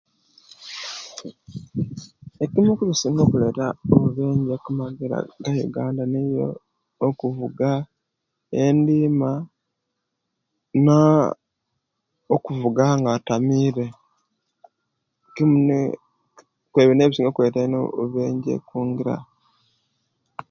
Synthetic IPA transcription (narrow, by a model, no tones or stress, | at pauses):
ekimukuβisiːŋɡo̞ːkuletaoβuβe̞ːɲɟekumaɡiɾa̰ɡajṵɡaːndanijo̰ | okuvuɡa | endiːma | na | okuvuɡaŋɡatamiːɾe̞ | kimun | kweβeneβisiːŋɡokweːtenouβeːɲɟḛkuːŋɡiɾa̰